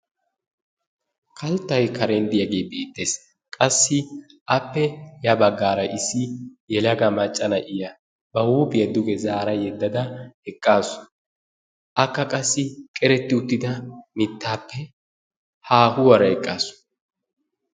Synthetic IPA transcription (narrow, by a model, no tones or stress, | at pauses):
kʰɐlt̪ːɐjkʰɐɾend̪ɪjɐɡeːbeːt̪ʼːe̞ːs | kʼɐsːɪ | ʔɐpːɛjɐbɐɡːaːɾɐʔɪsːɪjɛlɐɡɐmɐt͡ʃʼːɐnɐʔɪjɐ | bɐwuːbɪjɐd̪ʊɡɛzaːɾɐjɛd̪ːɐd̪ɐhɛkʼːaːsʊ̥ | ʔɐkːɐkʼɐsːɪkʼɛɾɛt̪ːɪʊt̪ːɪd̪ɐmɪt̪ːaːpːɛ | haːhʊwɐɾɐɛkʼːaːsʊ̥